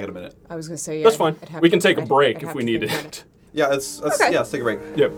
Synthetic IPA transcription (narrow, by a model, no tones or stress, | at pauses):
ɡɨɾɨmɪnɨ̰t̚awʌɡʌðætsfãɪ̃nwikɨn̩tʰeɪkəbɹeɪkɨfwiniɾɪt̚ | jæɪtsɛosjæstʰeɪkəbɹeɪk̚jæ